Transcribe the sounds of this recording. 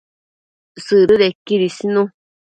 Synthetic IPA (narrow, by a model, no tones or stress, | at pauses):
sɨɾɨðekiɾisinũ